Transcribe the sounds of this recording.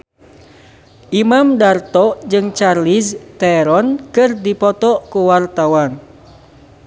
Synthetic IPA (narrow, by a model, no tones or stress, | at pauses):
ʔimamdart̪ɔʔd͡ʒɨŋt͡ʃarlist̪ɛɾɔnkɨrdipɔt̪ɔʔkuwart̪awan